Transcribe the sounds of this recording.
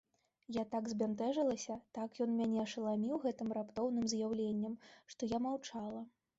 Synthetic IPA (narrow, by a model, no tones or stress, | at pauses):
jat̪aɡzʲbʲant̪ɛʐɐlˠɐsʲɐt̪akjɔnmʲanʲɛɐʂɐlˠamʲiwɣɛt̪ɨmrapt̪ɔwn̪ɨmzjawlʲenʲːɐmʂt̪ɔjamawt͡ʂalˠɐ